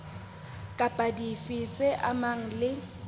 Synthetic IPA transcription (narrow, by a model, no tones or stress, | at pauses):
kʼapʼadifɪt͡sʼeʔamaŋ̩lɪ